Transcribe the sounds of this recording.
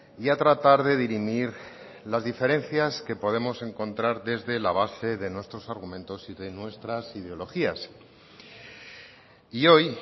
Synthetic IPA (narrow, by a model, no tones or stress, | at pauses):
iat̪ɾat̪aɾðe̞ðiɾimiɾ | lazðife̞ɾẽ̞nθjaske̞po̞ð̞e̞mo̞se̞ŋkõ̞nt̪ɾaɾðe̞zðe̞laβ̞ase̞ðe̞nwest̪ɾo̞saɾɣ̞umẽ̞nt̪o̞siðe̞nwe̞st̪ɾasið̞eo̞lo̞xias | io̞j